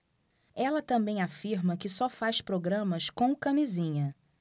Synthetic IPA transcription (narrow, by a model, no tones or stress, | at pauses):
ɛlɐt̪ɐ̃bẽj̃afiɾmɐkɪsɔfajspɾoɡɾɐ̃mɐskõkɐmizĩɲɐ